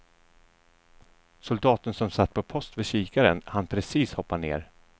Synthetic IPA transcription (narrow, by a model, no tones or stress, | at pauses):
sʊld̪ɑːt̪ənsɔmsat̪ːpʰɔpʰɔst̪vɛʂiːkaɾənhanpʰɾɛsiːshɔpːanḛːɾ